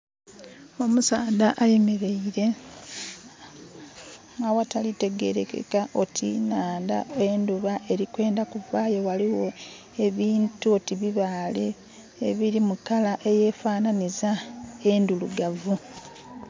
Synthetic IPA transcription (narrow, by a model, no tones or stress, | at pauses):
o̞musaːd̪aʔajeme̞ɾe̞iɾe̞ | ŋɡawatalite̞ɡe̞̰ɾekḛkaʔo̞tʰḭnaːnda̰eːnduβaʔe̞ɾikwe̞ːndakuvaːjo̞waliwo̞ | e̞βiːntuotiβiβaːleː | βiɾimukalaʔe̞je̞ːfaːnanizae̞nduluɡavu